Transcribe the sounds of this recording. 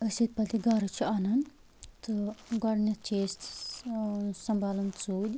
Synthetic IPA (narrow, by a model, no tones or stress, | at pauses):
əsit̪̚pɐt̪iɡaɾɨt͡ʃʰianɐn | t̪ʰɨɡɐɽnʲɐt͡ʃʰeːst̪ | sɐmbaːlɐnt͡suːd̪ʲ